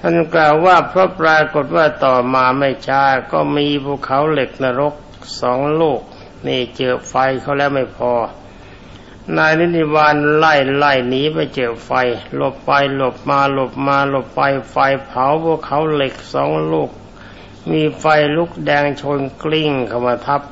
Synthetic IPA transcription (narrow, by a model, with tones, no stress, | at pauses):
t̪ʰa˥˩nklaː˨˩wːaː˥˩pʰɾɔ˦˥pɾaː˧ko˨˩t̪̚waː˥˩t̪ɔː˨˩maː˧ma˥˩jt͡ɕʰaː˦˥˩kɔː˧˩miː˧pʰu˧˩əkʰːa˩˦wle˨˩k̚na˧ɾo˦˥k̚ | sɔː˩˦ŋloː˥˩k̚ | niː˧˩t͡ɕɤː˨˩fa˧jkʰa˧˥˩wlɛː˦˥˩wma˥˩jpʰɔː˧ | naː˧jni˦˥ni˦˧˩waː˧nlaː˧˩jlaː˧˩jniː˦˥ma˧˩jt͡ɕɤː˨˩p̚fa˧jlo˨˩p̚ːa˧jlo˨˩p̚maː˧lo˨˩p̚maː˧lo˨˩pːa˧jfa˧jpʰa˨˦wpʰu˧˥˩ə˨kʰːa˩˦wle˨˩k̚sɔː˩˦ŋloː˥˩k̚ | miː˧fa˧jlu˦˥˩k̚dɛː˧ŋt͡ɕʰo˧nkli˥˩ŋkʰa˧˩wma˧t̪ʰa˦˥p̚